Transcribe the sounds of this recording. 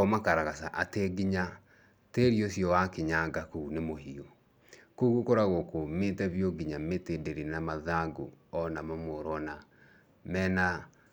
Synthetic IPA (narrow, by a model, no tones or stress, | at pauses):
ɔmakaɾaɣasaʔateɡiɲa | teɾiosjɔwakeɲaɡakuunemoɦio | koɣukoɾaɣokometɛβjoɡiɲametendeɾenamaðaɡoɔnamamoɾɔna | mɛːna